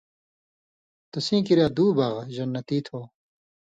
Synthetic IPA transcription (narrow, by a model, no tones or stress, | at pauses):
t̪ɐsĩːkiɾjaːd̪uːbɐʁʑɐnːɐt̪iːt̪ʰoː